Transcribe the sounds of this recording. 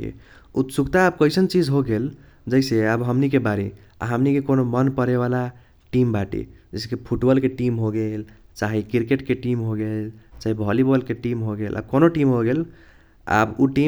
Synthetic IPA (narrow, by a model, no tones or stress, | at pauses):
ḭ | ut̪sukt̪aːb̚kəɪsənt͡ʃid͡ʒɦoɡel | d͡ʒəɪseəbɦəmnikebaɾḭ | a̰ɦəmnikekonomənpəɾeβala | ʈimbaʈḭd͡ʒəɪskepʰuʈbɔlkeʈimɦoɡel | t͡ʃaɦikiɾkeʈkeʈimɦoɡelt͡ʃaɦibʱɔlibɔlkeʈimɦoɡelʔa̰b̚konoʈimɦoɡel | a̰buʈi